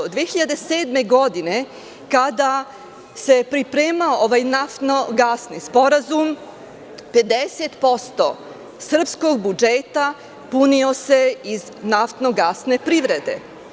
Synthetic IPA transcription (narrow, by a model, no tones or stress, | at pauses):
od̪ʋeçiʎad̪e̞seːd̪me̞ɡo̞d̪ine̞ | kad̪a | se̞pɾipɾeːmaoʔoʋajnaft̪no̞ɡasnispo̞ɾazum | pe̞d̪eset̪po̞st̪o̰ | sr̩psko̞ɡ̚bud͡ʒeːt̪a | punio̞se̞iznaft̪no̞ɡasne̞pɾiʋɾe̞d̪e̞̰